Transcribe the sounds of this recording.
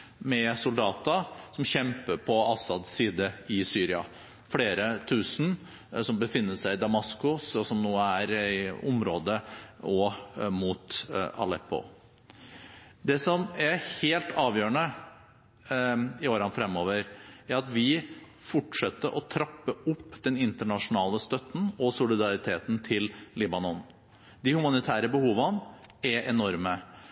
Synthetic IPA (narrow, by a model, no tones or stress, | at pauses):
mɛsʊld̪ɑːt̪əsɔmɕɛmpəɾpʰɔɑsɑd̪siːd̪əɪsyːɾɪɑ̰ | fɽeːɾət̪ʰʉːsn̩ | sɔmbəfɪnːəʂæɪɪd̪ɑmɑskʊsɔsɔmnoːææɾɪʊmɾoːd̪əɔmuːt̪ɑ̰lɛpːʊ̰ | d̪ɛsɔmæheːlt̪ɑːʋjøːɾəɳə | ɪoːɾɑnfɾɛmːoːʋəɾæɾɑt̪ʋɪ | fɔʈʂɛt̪ːəʔɔt̪ʰɾɑpːəʊpːd̪̥ɛnɪnt̪əɳɑʂʊnɑːləst̪œt̪ːn̩ɔsʊlɪd̪ɑɾɪt̪ʰeːt̪n̩t̪ʰɪlliːbɑnɔn | d̪ɪhʉmɑnɪt̪ʰæːɾəbəhuːʋənɛʔɛnɔɾmə